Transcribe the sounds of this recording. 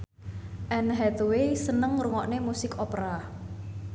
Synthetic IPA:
ʔɛnɦɛt̪wesənəŋɾuŋɔʔnemusɪkɔpɾa

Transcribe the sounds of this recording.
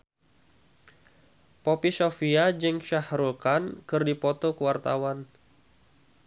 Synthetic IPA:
popisofiad͡ʒəŋʃahɾukankɨrdipɔt̪ɔkəwart̪awan

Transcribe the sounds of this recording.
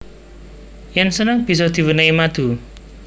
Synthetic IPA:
jɛnsənəŋb̥i̤s̬ɔd̪̥i̤wənaimad̪̥ṳ

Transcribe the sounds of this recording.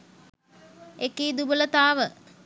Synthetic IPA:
ekiːd̪ubələt̪aːʋə

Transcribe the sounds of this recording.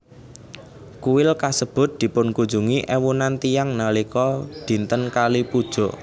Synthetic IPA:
kuwɪlkasəb̥ʊ̤t̪̚d̪̥i̤pʊnkund͡ʒṳŋiʔɛwunant̪ijaŋnalikɔd̪̥i̤nt̪ənkalipud̥ʒ̥ɔ̤ʔ

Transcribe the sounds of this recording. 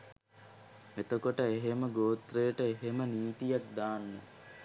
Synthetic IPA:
et̪okoʈəeɦeməɡoːt̪rejəʈəeɦeməniːt̪ijak̚d̪aːnːḛ

